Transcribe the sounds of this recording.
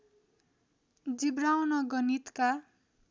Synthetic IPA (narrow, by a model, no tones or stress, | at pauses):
d͡zibɾawnʌɡʌnit̪ka